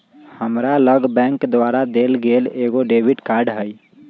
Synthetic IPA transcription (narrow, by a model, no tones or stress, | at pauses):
həmɾaləɡbɛ̃ŋkd̪waɾad̪elɡeleɡoɖebiʈkaɾɖɦəj